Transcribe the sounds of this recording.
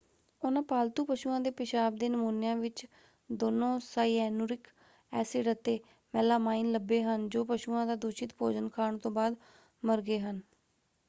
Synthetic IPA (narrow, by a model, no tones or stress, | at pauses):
ʊnãːpaːlt̪uːpəʃuːãːd̪eːpɪʃaːbd̪eːnəmuːnɪjãːʋɪt͡ʃ | d̪oːnõːsaːiɛːnuːɾɪk | ɛːseːɖət̪ːeː | mɛːlaːmaːinləbeːɦənd͡ʒoːpəʃuːãːd̪aːd̪oːʃɪt̪pʰo̰ːd͡ʒənkʰaːɳ̃t̪õːbaːd̪ | məɾɡeːɦən